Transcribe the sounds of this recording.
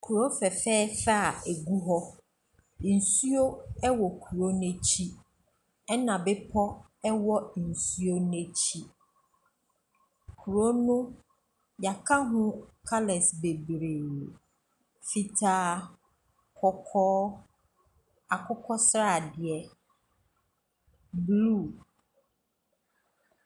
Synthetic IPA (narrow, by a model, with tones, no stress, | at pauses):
kʰu˨ɾo˦fɛ˨fɛː˦fa˦a˨e˨ɡu˦ɦɔ˦ | n̩˨su˦o˦ɛ˦wɔ˨kʰu˨ɾo˦n˦ɛ˦t͡ɕʰi˦ | ɛ˦nã˨bɪ˦pʰɔ˦ | ɛ˦wɔ˦n̩˨su˦o˦n˦e˦t͡ɕʰi˦ | kʰu˨ɾo˦nʊ̃˦ | ja˨kʰa˦ɦʊ̃˦kʰa˦lɛ˨sbe˨bɾeː˨ | fi˦tʰaː˦ | kʰɔ˦kʰɔː˦ | a˨kʰʊ˦kʰɔ˦sɾa˦˨dɪ˨ɛ˨ | blu˦˨